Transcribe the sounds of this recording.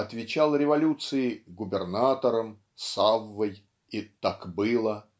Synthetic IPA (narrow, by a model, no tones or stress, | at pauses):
ɐt̪vʲɪt͡ɕalˠɾʲɪvɐlʲut̪sɨɪɡʊbʲɪrnat̪əɾəm | savːəj | it̪akbɨlˠə